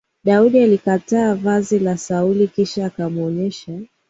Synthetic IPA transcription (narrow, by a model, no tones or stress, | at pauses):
ɗauɗialikataːvazilasaulikiʃaːkamuɔɲɛʃa